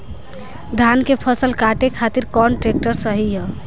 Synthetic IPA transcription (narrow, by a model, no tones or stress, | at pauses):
d̪ʱankepʰəsəlkaʈekʰat̪iɾkɔnʈɾek̚ʈəɾsəɦijə